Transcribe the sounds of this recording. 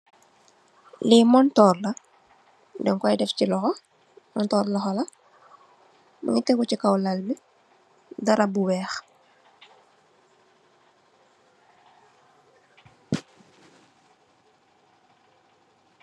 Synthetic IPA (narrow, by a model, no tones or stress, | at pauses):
limɔntɔːrlɐ | dɛŋkɔjdɛfcilɔxɔ | mɔntɔːɾlɔxɔlɐ | mṵɲitɛɡucikawlɐlmi | dɐɾɐbuwɛːx